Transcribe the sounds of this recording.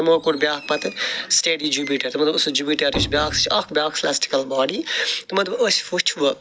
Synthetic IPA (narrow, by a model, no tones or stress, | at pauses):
moːkuɽbʲjaːk̚pɐt̪sʈeːɖid͡ʒuːpiʈɐɾmɐt̪lɐbusd͡ʒuːpiʈɐɾit͡ʃʰbjaːkst͡ʃʰɐkʰbjaːkslaːsʈi̥kɐlbaːɖiːt̪mɐt̪lɐbɐsfut͡ʃʰʋɐ